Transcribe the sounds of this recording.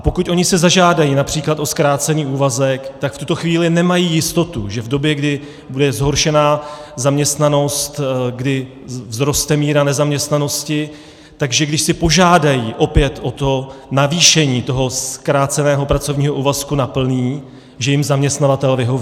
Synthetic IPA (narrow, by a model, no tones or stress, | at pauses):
apo̞kut̪ʔo̞ɲɪsɛzaʒaːdajiːnapr̝̥iːklat̪o̞skɾaːt͡sɛɲiːuːvazɛkt̪akft̪ut̪o̞xviːlɪnɛmajiːjɪst̪o̞t̪ṵʒɛvdo̞bjɛɡdɪ | budɛzɦo̞ɾʃɛnaːzamɲɛst̪nano̞st̪ɡdɪ | vzɾo̞st̪ɛmiːɾanɛzamɲɛst̪nano̞scɪ | t̪aɡʒɛɡdɪʃsɪpo̞ʒaːdajiːʔo̞pɪjɛt̪ʔo̞t̪o̞naviːʃɛɲiːt̪o̞ɦo̞skɾaːt͡sɛnɛːɦo̞pɾat͡so̞vɲiːɦo̞ʔuːvaskunapl̩niː | ʒɛjɪmzamɲɛst̪navat̪ɛlvɪɦo̞v